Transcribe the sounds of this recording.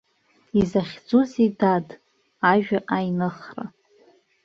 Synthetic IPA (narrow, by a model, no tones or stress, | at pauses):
izaχʲd͡zuzidad | aʒᶣaʔajnɨχra̰